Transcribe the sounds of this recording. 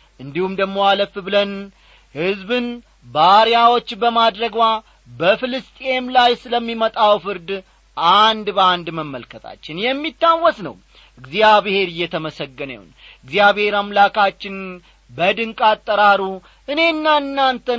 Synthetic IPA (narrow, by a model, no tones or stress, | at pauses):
ʔɨnd̪ihumd̪əɡmo̞aləfbɨlən | hɨzbɨn | baɾjawo̞t͡ʃːbəmad̪ɾəɡwa | bəfɨlɨst̪ʼemlajsɨləmːimət̪ʼawfɨɾd̪ | ʔand̪bəand̪məmːəlkʰət̪ʰa̰t͡ʃːɪnjɛmːit̪ːawːɔsnə̰w | ʔɨɡzijaβɨhe̞ɾɨjːɛt̪ʰəməsəɡːənə̰w̰n | ɨɡzjaβhe̞ɾamlakʰat͡ʃːɪn | bəd̪ɨŋkʼat̪ʼːəɾaɾu | ʔɨne̞ɨnːaɨnːant̪ʰə